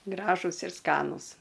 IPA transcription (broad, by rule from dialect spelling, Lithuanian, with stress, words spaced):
ˈɡrɑːʒʊs ɪr ˈskɑːnuːs